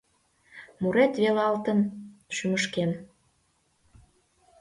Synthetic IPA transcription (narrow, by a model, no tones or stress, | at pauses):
muɾet̪βelɑlt̪ə̆nʃyməʃken